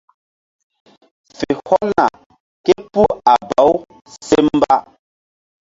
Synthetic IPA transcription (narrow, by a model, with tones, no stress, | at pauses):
fe˨hɔ˦na̰˨ | ke˦pu˦a˨ba˨˦w | se˦m˦ba˦